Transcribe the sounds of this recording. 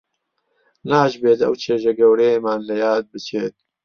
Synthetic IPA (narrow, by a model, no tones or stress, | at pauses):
naːʒbeːt̪ɐ̰wt͡ʃʰeːʒɐɡɐwɾejemaːnlɐjaːd̪̚bɨt͡ʃʰeːt̪̚